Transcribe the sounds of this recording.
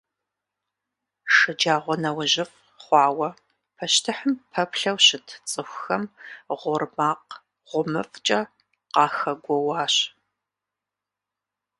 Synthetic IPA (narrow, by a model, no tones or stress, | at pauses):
ʂɨd͡ʒaːʁʷɔnɐwʒɪf | χʷɑːwɐ | pʰɐʃtʰɨħəmpʰɐpʰɬɐwɕɪtʰt͡sʼɨxʷxɐmʁʷʊrmaːq | ʁ̥ʷʊmɨ̰ft͡ʃʼɐ | qɑːxɐɡʷɔwɑːɕ